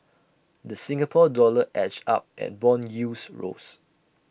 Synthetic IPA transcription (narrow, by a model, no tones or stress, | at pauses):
dəsĩŋɡapʰɔdɔləʔɛt͡ʃa̰p̚ʔɛ̰t̚bɔ̃njusɹo̰s